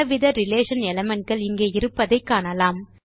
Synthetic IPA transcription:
ɐʋɪðɐɾɪleːʂɐnɛlɐmɛɳʈ̚ɡɐɭɪŋɡeːɪɾɯpːɐðɐɪkːaːnɐlaːm

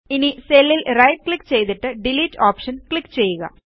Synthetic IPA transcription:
iniselːilrɐjʈ̚klikːt͡ɕe̞jt̪iʈːɨɖiliːtːoːpʂɐnkɭikːt͡ɕe̞jːuɣɐ̰

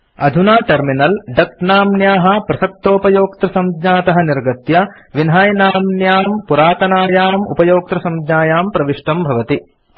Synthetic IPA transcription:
ɐd̪ʱunaːʈɐɾminɐlɖɐk̚naːmnjaːɦɐpɾɐsɐk̚t̪oːpɐjoːk̚t̪ɾɐsɐmd̪ɲaːt̪ɐɦɐniɾɡɐt̪jɐ | ʋinɦaːjnaːmnjaːmpuɾaːt̪ɐnaːjaːmṵpɐjoːk̚t̪ɾɐsɐmd̪ɲaːjaːmpɾɐʋiʂʈɐmbʱɐʋɐt̪i

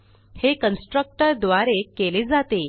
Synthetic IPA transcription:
hekənsʈɾək̚ʈəɾd̪ʋaɾekːeled͡zat̪e

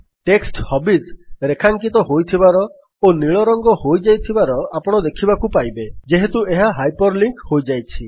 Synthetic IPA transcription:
ʈeksʈhɔbisɾekʰaŋkit̪ɔɦojt̪ʰibaɾɔ | oniɭɔɾɔŋɡɔhojd͡ʒajt̪ʰibaɾɔapɔɽ̃ɔd̪ekʰibakupajbed͡ʒeɦet̪ueɦaɦajpɔɾliŋkhojd͡ʒajt͡ʃʰi

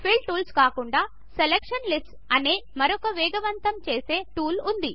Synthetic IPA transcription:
pʰiɭʈuːlskaːkuɳɖaː | selekʂɐnlisʈs | ɐneːmɐɾɔkɐʋɛːɡɐʋɐnt̪ɐmt͡ʃeːse̞ːʈuːlund̪i

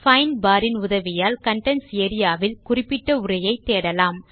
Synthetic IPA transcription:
fɐɪnbaːɾɪnʊðɐʋɪjaːlkɐɳʈɐnseːɾɪjaːʋɪlkʊrɪpːɪʈːɐʊrɐjɐɪt̪ːeːɽɐlaːm

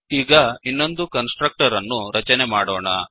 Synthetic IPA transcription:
iːɡɐinːo̞nd̪ukɐnsʈɾɐk̚ʈɐɾɐnːuɾɐt͡ʃɐnemaːɽoːɳɐ

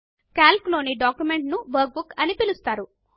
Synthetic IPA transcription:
kaːlklo̞ːniɖaːkjume̞ɳʈnuʋɐɾk̚bukɐnipilust̪aːɾu

